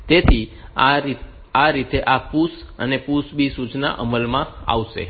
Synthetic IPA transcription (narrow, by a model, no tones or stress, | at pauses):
t̪et̪ʰi | aɾit̪eʔapusənepusbisut͡ʃna̰ʔəməlmãa̰ʋʃḛ